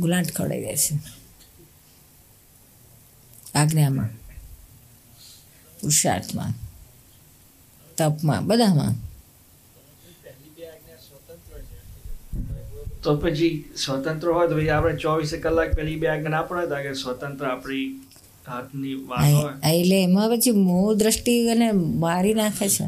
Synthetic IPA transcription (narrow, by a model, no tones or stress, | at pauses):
ɡlãːʈkʰə̰ɽa̰ḭɡə̰et͡ʃʰe | aɡnjamã̰ | puɾʃa̰ɾt̪ʰmã̰ | t̪əpmã̰bəd̪ʱamã̰ | ɛliaɡnjat̪nt̪ɾ | t̪opət͡ʃʰisʋət̪ənt̪ɾəɦɔjt̪opt͡ʃiapɽ̃et͡ʃɔʋisekəlːak̚pɛɦlibeaɡnãpəɽet̪akesʋət̪ənt̪ɾəapɽi | ɦat̪ʰniʋaɔjəileːmãpət͡ʃʰimod̪ɾəsʈiənemaɾinakʰet͡ʃʰḛ